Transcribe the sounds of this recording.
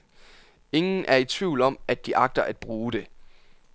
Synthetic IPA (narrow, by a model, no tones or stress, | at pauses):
e̝ŋn̩ʔæɐit͡sʰʋiʊ̰lɒ̽m̰æd̥ːiʔɑ̈ɡ̥̚d̥ɐʔæd̥̚b̥ʁuːd̥e̝